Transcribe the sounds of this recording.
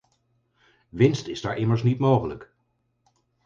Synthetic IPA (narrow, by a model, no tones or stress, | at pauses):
ʋɪnstɪzdaːɹʔɪməɹsnitmowχələk